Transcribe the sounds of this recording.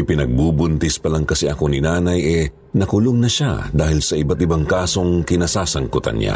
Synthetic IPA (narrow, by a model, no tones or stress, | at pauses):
ɪpɪnɐɡ̚buːbʊnt̪ɪspɐlaŋkɐsɛʔɐko̞nɪnaːnɐjʔɛ | nɐkʊloŋnɐʃa̰d̪aːhɪlsɐʔɪbat̪ɪbaŋkaːso̞ŋkɪnasaːsɐŋkʊt̪ɐ̰nɲa̰